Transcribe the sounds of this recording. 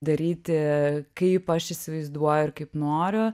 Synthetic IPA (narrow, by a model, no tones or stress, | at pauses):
d̪ɐɾʲiːt̪ʲɪkɐɪpɐʃɪsʲɪʋɐɪzd̪uɔjʊɪɾkɐɪpnoːɾʲʊ